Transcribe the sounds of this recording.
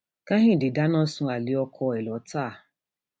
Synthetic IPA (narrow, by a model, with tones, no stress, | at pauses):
kã˦ɦĩ˦˨di˨da˦nɔ̃˦sũ˧˦a˨li˨˦ɔ˧kʰɔ˧ɛ˨lɔ˨˦taː˦˨